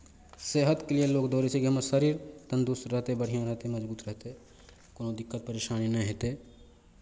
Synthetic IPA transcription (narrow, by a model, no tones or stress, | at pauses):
seːɦət̪kelieloːkd̪oːɾet͡ʃʰekiɦɐməsəɾiːɾt̪ənd̪usɾəɦt̪ebəɽ̤ijãɾəɦt̪eməd͡ʒbuːt̪ɾəɦt̪e | koːnõd̪ɪkːət̪̚pəɾeːʃaːninəɦeːt̪e